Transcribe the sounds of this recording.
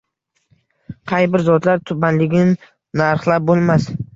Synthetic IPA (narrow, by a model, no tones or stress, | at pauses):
qʰɑjbɪɾzɒt̪laɾt̪ʰʊbanlɪɡʲnɪ | naɾχlˠap̚bolˠmas